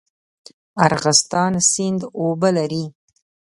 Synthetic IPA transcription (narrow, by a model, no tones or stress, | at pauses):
aɾɣɪst̪ɑnsɪnd̪obalaɾi